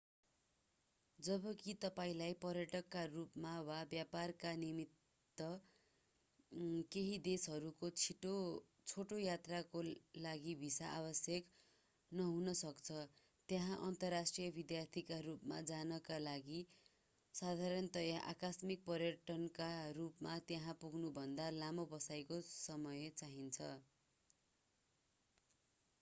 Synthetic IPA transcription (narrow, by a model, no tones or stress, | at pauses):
d͡zʌbʌkit̪ʌpaĩlajpʌrjʌʈʌkːarupmawabjaparkanimit̪ː | ʌ | keɦid̪esɦʌɾukot͡sʰiʈo | t͡sʰoʈojat̪rakolaɡibʱisaʔabʌsjʌk | nʌɦunʌsʌkt͡sʰʌ | t̪jeɦãʔʌnt̪ʌrːasʈrijʌbid̪jart̪ʰikarupma̰d͡zanʌkalaɡi | sad̪ʱaɾʌnt̪ʌjaʔa̰kasmik̚pʌrjʌʈʌnkarupmat̪jaɦãpuɡʱnubʱʌnd̪alamobʌsajkosʌmʌjt͡saɦint͡sʰʌ